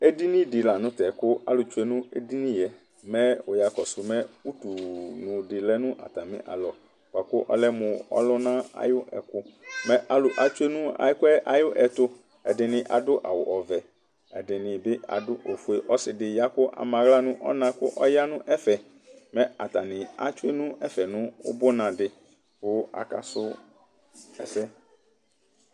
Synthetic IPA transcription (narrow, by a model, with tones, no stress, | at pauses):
e˦di˦nĩ˦dɪ˨la˨nʊ̃˦t̪ɛ˨kʊ˦a˦lʊ˨t͡ʃu˦e˦nʊ̃˦e˦di˦nĩ˦jɛ˨ | mɛ̃˦ʊ˨ja˨kɔ˨sʊ˨mɛ̃˦u˦tu˨nʊ̃˨dɪ˨lɛ˦nʊ̃˦ʔa̰˨t̪a˨mɪ̰̃˦ʔa̰˨lɔ˨ | ba˨kʊ˦ʔɔ̰˦lɛ˦mʊ̃˨ɔ̰˦lʊ˦nã˦a̰˨jʊ˦ɛ̰˨kʊ˦mɛ̃˦ʔa˨lʊ˨ʔa˨t͡ʃu˦e˦nʊ̃˦a̰˨ɪ˦kɛ˦ʔa˨jʊ˦ʔɛ˨t̪ʊ˦ | ɛ˨dɪ˨nɪ̃˨ʔa̰˨dʊ˦ʔa̰˨wʊ˨ʔɔ˨vɛ˨ | ɛ˨dɪ˨nɪ̃˨bɪ˦a̰˨dʊ˦ʔo˨fu˨e˨ʔɔ˦sɪ˨dɪ˨ja˦kʊ˦ʔa̰˨mã˨ɣla˦nʊ̃˦ʔɔ̰˦nã˨kʊ˦ʔɔ˦ja˦nʊ̃˦ʔɛ˦fɛ˨ | mɛ̃˦a̰˨t̪a˨nɪ̃˨a̰˨˦t͡ʃʊ˦e˦nʊ̃˦ɛ˦fɛ˨nʊ̃˦ʊ̰˦bʊ˦nã˨dɪ˨ | kʊ˦a̰˨ka̰˨sʊ˦ | ɛ̰˨sɛ˦